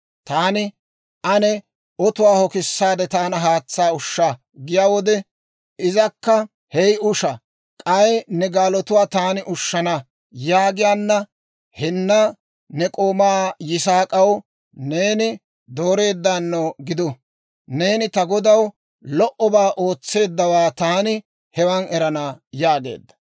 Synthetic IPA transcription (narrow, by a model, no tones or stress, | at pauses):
t̪aːnɪ | ʔɐnɛ | ɔt̪ʊwaːhɔkɪsːaːd̪ɛt̪aːnɐɦaːt͡sːaːʊʃːa | ɡɪjaːwɔd̪ɛ | ɪzɐkːɐ | hɛjʊʃɐ | kʼɐjɛnɛɡaːlɔt̪ʊwaːt̪aːnɪʔʊʃːɐnɐ | jaːɡɪjaːnːɐ | hɪnːɐ | nɛkʼo̞ːmaːjɪsaːkʼɐw | ne̞ːnɪ | d̪o̞ːɾe̞ːd̪ːanːoɡɪd̪ʊ | ne̞ːnɪt̪ɐɡɔd̪ɐw | lɔʔɔbaːʔo̞ːt͡sːe̞ːd̪ːɐwaːt̪aːnɪ | hɛwɐnɛɾɐnajaːɡe̞̰ːd̪ːɐ̥